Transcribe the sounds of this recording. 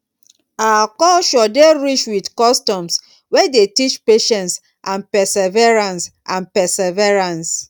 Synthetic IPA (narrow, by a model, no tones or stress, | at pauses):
akɔlʃɔdeɹit͡ʃwidkɔstɔ̃ms | wɛdetit͡ʃpeʃɛ̃nts | ʔãnpɛsɛvɛɹãnsʔãnpɛsɛvɛɹãns